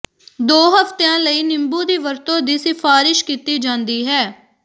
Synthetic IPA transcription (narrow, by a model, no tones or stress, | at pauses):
d̪oːɦəft̪eãːləiːnɪmbuːd̪iːʋəɾt̪õːd̪iːsɪfʰaːɾɪʃkiːt̪iːd͡ʒãːnd̪iːɦɛː